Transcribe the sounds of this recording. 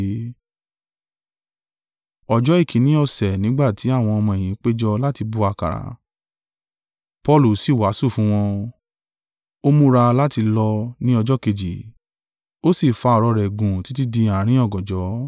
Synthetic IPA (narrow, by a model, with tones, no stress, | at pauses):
ɔ˧d͡ʒɔ˨˦i˦˨kʰĩ˨˦nĩ˦ɔ˧˨sɛ˨nĩ˨˦ɡ͡ba˦˨ti˨˦a˦˨w̃ɔ̃˧ɔ˧mɔ̃˧e˨j̃ĩ˨˦k͡pe˦d͡ʒɔ˧la˦ti˧bu˧a˧ka̰˨ɾa̰˨ | pɔ˦lu˨si˦˨wa˨˦su˦˨fũ˨˦w̃ɔ̃˧ | o˦mũ˦ɾa˧la˦ti˧lɔ˧nĩ˦ɔ˧d͡ʒɔ˦ke˧d͡ʒi˨ | o˦si˦˨fa˧˦ɔ˧ɾɔ˧ɾɛ˨ɡũ˨ti˨˦ti˦dĩ˧a˨ɾ̃ĩ˦ɔ˦˨ɡɔ̃˨d͡ʒɔ˨˦